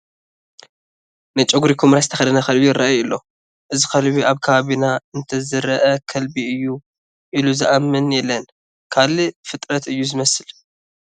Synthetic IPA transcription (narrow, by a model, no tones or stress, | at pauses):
nɨt͡ʃʼɐɡuɾikʰumɾasɨt̪ʰɐxɐd̪ɐnɐkɐlbijɪɾaʔjɨlːo̞ | ʔɨzikɐlβiʔaβkʰɐβaβinaɨnt̪ʰɐzɨɾɐʔɐkʰɐlbiɨjːu | ʔiluzɨʔamːɨnjɛlːɐn | kʰalɨfɨt̪ʼɾɐt̪ɨjːuzɨmɐsɨl